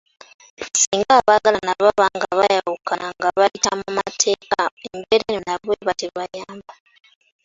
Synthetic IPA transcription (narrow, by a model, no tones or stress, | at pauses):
siːŋɡaːβaɡalanaβaβaŋɡaβajawukanaŋɡaβaitamumatʰekaembeɾenonaβweβateβajaːmba